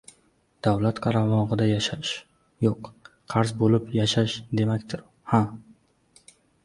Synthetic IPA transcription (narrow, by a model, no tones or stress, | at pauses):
d̪̥awlat̪qʰɑɾamɒʁɨd̪ajaʃaʃ | joq | qʰɑɾzbolɪpjaʃaʃd̪e̞makʲt̪ʰɪɾ | ha